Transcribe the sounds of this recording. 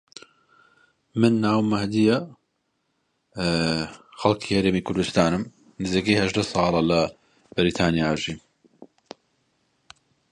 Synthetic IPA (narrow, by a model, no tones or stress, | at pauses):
mɨnːaːwmɐhd̪ijɐ | xɐlˠkʰiːhɐɾeːmiːkʰʊɾd̪ust̪aːnɨm | nɨziːkijhɐʒd̪ɐsˤɑːlˠɐlɐ | bɪɾiːt̪ʰaːnijaːʒiːm